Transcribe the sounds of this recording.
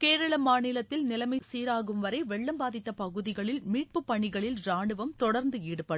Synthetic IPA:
keːɾɐɭɐmaːnɪlɐt̪ːɪlnɪlɐmɐɪsiːɾaːɣɯmʋɐɾɐɪʋɛɭːɐmbaːðɪt̪ːɐpɐɣɯðɪɣɐɭɪlmiːʈ̚pɯpːɐɳːɪɣɐɭɪlɾaːɳɯʋɐmt̪ɔɽɐɾnd̪ɯiːɽɯpːɐɽɯ

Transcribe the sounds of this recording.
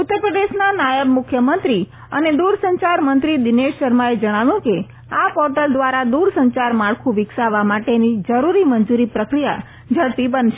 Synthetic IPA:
ut̪ːəɾpɾəd̪eʃnanajəbmʊkʰjəmənt̪ɾi | ə̰ned̪uɾsəɲt͡ʃaɾmənt̪ɾid̪ineʃːəɾmaed͡ʒəɽ̃aʋjũke | apɔɾʈəld̪ʋaɾad̪uɾsəɲt͡ʃaɾmaɭkʰũʋɪksaʋamaʈenid͡ʒəɾuɾimənd͡ʒuɾipɾəkɾija̰ | d͡ʒʱəɭpibənʃe

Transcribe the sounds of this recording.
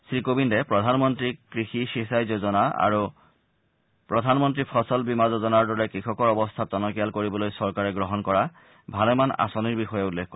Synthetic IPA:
sɹikobindɛpɹɔdʱanmɔntɹikɹixixisajzozɔnaa̰ɹu | pɹɔdʱanmɔntɹipʰɔsɔlbimazozɔnaɹdɔɹɛkɹixɔkɔɹɔbɔst̪ʰatɔnɔkijalkoɹibɔlojsɔɹkaɹɛɡɹɔɦɔnkɔɹa | bʱalɛmana̰sɔniɹbixɔjɛulːekʰkːɔ

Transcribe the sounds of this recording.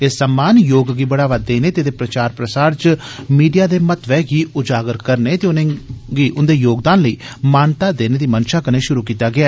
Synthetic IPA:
esːəmːaːnjoːɡɡiːbəɽaːʋaːd̪ːeːneːt̪eːd̪eːpɾət͡ʃaːɾpɾəsaːɾt͡ʃ | miːɖijaːd̪eːmət̪ʋɛːɡiːʊd͡ʒaːɡəɾkəɾneːt̪eːnɡiːʔʊnd̪eːjoːɡd̪aːnləiː | maːnt̪aːd̪eːneːd̪iːmənʃãːkəɾneːʃʊɾuːkiːt̪aːɡɪaː

